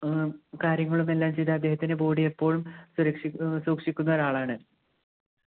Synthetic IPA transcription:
kaːɾjɐŋːɐɭumelːaːmt͡ɕejðɐɐd̪ːe̞ːhɐt̪ːinebo̞ːɽijepːo̞ːɭumsuɾɐkʂisuːɐkʂikʲːunːɐːɾaːɭaːɳɨ

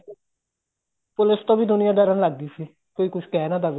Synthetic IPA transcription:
polɪst̪õːbiːd̪ʊnɪjãːd̪ɛɾənlaɡːisi | koːiːkʊt͡ʃʰkɛːnãd̪ab

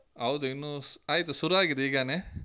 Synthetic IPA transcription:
ɦɐwd̪uinːuaːjit̪usuɾuaːɡid̪iːɡaːne

